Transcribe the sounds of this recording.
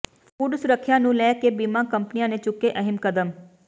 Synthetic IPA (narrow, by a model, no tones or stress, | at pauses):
puːɖsɾəkʰːjãːnũːlɛːkeːbiːmãːkəmpnijãːneːt͡ʃʊkːeːʔəɦɪmkəd̪əm